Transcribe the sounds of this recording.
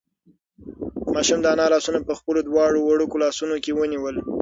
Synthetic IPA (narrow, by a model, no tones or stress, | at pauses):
mɑʃumd̪əanɑlɑsunapəxpəlod̪wɑɽowaɽukolɑsunokewəniwəl